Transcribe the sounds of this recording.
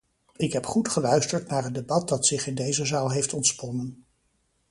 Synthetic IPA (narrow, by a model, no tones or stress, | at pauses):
ɪkɦɛpχutχəlœɥstəɹtnaːɹəndebɑt̚dɑtsɪχɪndejzəzaːlˠɦejftɔntspɔnən